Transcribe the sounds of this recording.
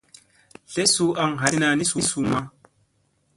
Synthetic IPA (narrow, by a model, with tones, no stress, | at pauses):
ɬe˦su˦a˨ŋɦa˨˦na˧ni˦su˦su˨ma˦